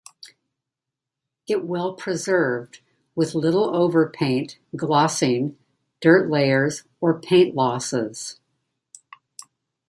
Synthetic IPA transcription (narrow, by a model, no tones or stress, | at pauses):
ɪʔ̚wɛlˠpʰɹ̥ɨzɜ˞vd̚ | wɨðlɪɾl̩ˠoʊvə˞pʰẽɪ̃ntɡ̥lɔsɪ̃ŋ | d̥ɜ˞ʔleɪə˞z | ə˞pʰẽɪ̃nʔlɔsɪz̥